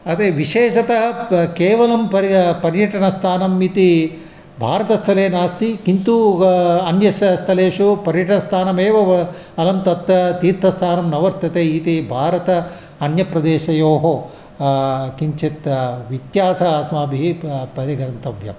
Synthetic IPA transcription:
ɐt̪eːʋiʃeːʃɐt̪ɐɐkeːʋɐlɐmpɐpɐɾjɐʈɐɳɐst̪ʰaːnɐmit̪i | bʱaːɾɐt̪ɐst̪ʰɐleːnaːst̪ikint̪uɐnjɐsst̪ʰɐleːʂupɐɾjɐʈɐnɐst̪ʰaːnɐmeːʋɐ | ɐlɐmt̪ɐt̪ɐt̪iːɾt̪ʰːɐst̪ʰaːnɐmnɐʋɐɾt̪jɐt̪eːit̪ibʱaːɾɐt̪ɐ | ɐnjɐpɾɐd̪eːʃɐjoːɦoː | kiɲt͡ʃet̪ʋit̪jaːsɐsmaːbʱiɦipɐɾiɡɐnnt̪ɐʋjɐ̰m

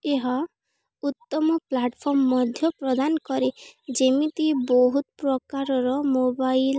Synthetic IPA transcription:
eɦɔ | ut̪ːɔmɔplaʈpʰɔɾmɔːɔd̪ʱjɔpɾɔd̪anɔkɔɾid͡ʒemit̪ibɔɦut̪ɔpɾɔkaɾɔɾɔmobail

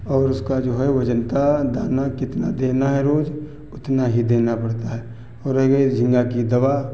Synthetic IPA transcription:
ɔːɾʊskad͡ʒoːɦɛʋɐd͡ʒənt̪ad̪aːnakɪt̪nad̪eːnaɦɛɾoːd͡ʒ | ʊt̪naɦid̪eːnapɐɽt̪aɦɛː | ɔːɾɛɡed͡ʒʱɪ̃ŋɡakid̪ɐʋa

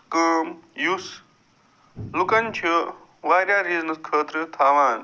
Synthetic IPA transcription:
kəːmjus | lukant͡ɕʰi | ʋaːɾjaɾid͡znɐskʰəːt̪ɾət̪ʰaːʋaːn

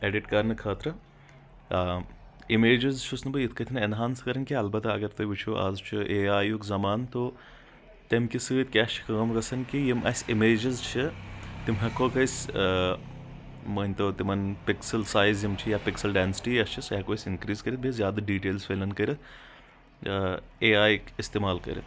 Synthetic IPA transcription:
eːɖiʈkɐɾnɨkʰɐːt̪ɾɐ | imeːd͡ʒɐzt͡ʃʰusnɐbɨjit̪ʰkɐt̪ʰinɐnɦaːnskɐɾɐnkʲiɐlbɐt̪ɐɡɐɾt̪ɐʋit͡ʃʰuʔɐ̰zt͡ʃʰiʔeːaːjukzɐmaːnt̪o | t̪emkʲisɨt̪̚kʲaːst͡ʃʰi̥kɐɡɐmɡɐsɐnkijimʔɐ̰sʲimeːd͡ʒɐzt͡ʃʰit̪imɦɐkokʰɐsʲ | mɐnʲt̪oːt̪imɐnpɪksɐlsaːjzjimt͡ʃʰijaːpɪksɐlɖɛːnsi̥ʈiɐst͡ʃʰisɐkoːsʲɪnkɾiːzkɐɾit̪̚bʱʲezʲjaːd̪ɐɖiːʈeːlzfʰeːlɐnkɐɾɐt̪ | eːaːjkist̪eːmaːlkɐ̰ɾɐ̰

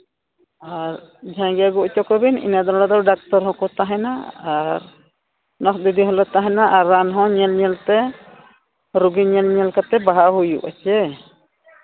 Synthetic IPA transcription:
aɾd͡ʒʱãɡɛɡɔʔt͡ʃɔkɔbinḭnad̪ɔɾɽad̪ɔwɖak̚tɔɾɦɔkɔt̪aɦɛnaaɾ | nɔsd̪id̪iɦɔlɔt̪aɦɛnaʔaɾːanɦɔ̃ɲɛlɲɛlt̪ɛ | ɾuɡiɲɛlɲɛlkat̪ɛbaɦaɦujṵʔat͡ʃɛ

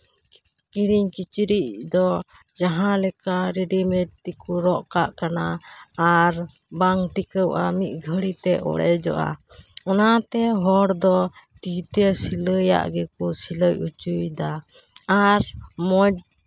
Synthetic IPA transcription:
kiɾiɲkit͡ʃɾiʔ̚d̪ɔ | d͡ʒaɦãlɛkaɾiɖimɛʈt̪ikuɾɔʔkaʔkanaː | ɾbaŋʈikəwʔamit̪̚ˀɡʱəɽit̪ɛʔɔ̰ɽɛd͡ʒɔ̰ʔa̰ɔnat̪ɛɦɔɽd̪ɔʈit̪ɛsiləja̰ʔɡɛkusiləjut͡ʃujd̪aː | ɾmɔd͡ʒ

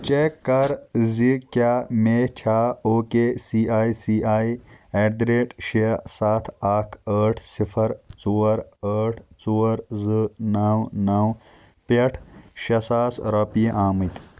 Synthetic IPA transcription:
t͡ʃekːɐɾzikjaːmeːt͡ʃʰaːoːkeːsiːaːisiːʔaːieɖ̪ɾeːʈʃesaːt̪ʰaːkʰəːʈʰsipʰɐɾt͡soːɾəːʈʰt͡suːɾzɨnaːwnɐw | pɐʈʰʃɐsaːsɾɐpijʔaːmɐt̪

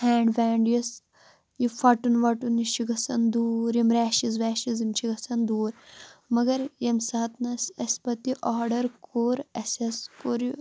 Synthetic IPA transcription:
hɛːɳɖʋɛːɳɖjɐs | jifɐʈunʋɐʈuniʃiɡɐsɐnd̪uːɾjimɾaːʃizʋɛːʃizimt͡ʃʰiɡɐsɐnd̪uːɾmɐɡɐɾjɐmsɐːɐt̪nɐsɐsʲpɐt̪iʔaːɖɐɾkʰoːɾɐsɐskoɾi

